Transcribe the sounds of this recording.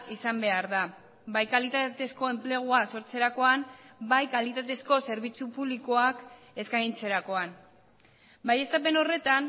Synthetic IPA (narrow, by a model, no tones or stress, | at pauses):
isambe̞aɾða | bajkalit̪at̪e̞sko̞e̞mple̞ɣ̞uaso̞ɾt͡se̞ɾako̞ambajkalit̪at̪e̞sko̞se̞ɾβit͡supuβlikoak | e̞skajint͡se̞ɾako̞an | baje̞st̪ap̬e̞no̞re̞t̪an